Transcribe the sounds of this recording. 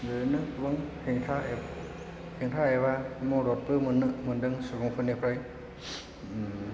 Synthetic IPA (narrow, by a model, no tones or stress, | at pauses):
zɯnɯbaŋhʰeŋtʰae | hʰeŋtʰaebamɔɾɔt̚pɯmɯnːɯʔmɯndɯŋsuɡɔŋpʰɯnipʰɾaj